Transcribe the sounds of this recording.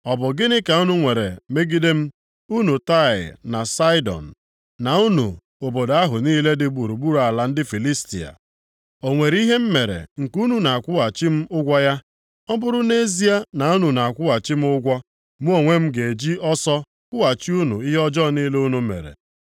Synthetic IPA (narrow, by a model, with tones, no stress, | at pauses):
ɔ˨bʊ˨ɡɪ˦nɪ˦ka˨u˦nu˦ŋʷe˨ɾḛ˨me˦ɡi˦de˦m̩˦ | u˦nu˨ta˦˨ɪ̰˨na˨sa˦ɪ˦dɔ̰˨n̩˨ | na˨u˦nṵ˨ | o˨bo˨da˦ɦʊ˨niː˦le˦dɪ˦ɡ͡bu˨ɾu˨ɡ͡bu˦ɾa˨la˨n̩˦dɪ˦fi˨li˦stḭ˨a̰˨ | o˨ŋʷe˨ɾi˦ɦe˦m̩˦me˨ɾḛ˨ŋ̩˨ku˦nu˨na˨a˨kʷʊ˦a˨t͡ʃi˦m̩˦ʊ˦ɡʷɔ˦ja˦ | ɔ˦bʊ˦ɾʊ˦ne˦zi˦a˦na˨u˦nu˨na˨kʷʊ˦a˨t͡ʃi˦m̩˦ʊ˦ɡʷɔ˦ | mu˦o˦˨ŋʷe˦m̩˦ɡe˨d͡ʒi˦ɔ˦sɔ˦ | kʷʊ˦a˨t͡ʃi˦u˦nṵ˨i˦ɦe˦ɔ˦d͡ʒɔ˦˨niː˦le˦u˦nu˨mḛ˨ɾḛ˨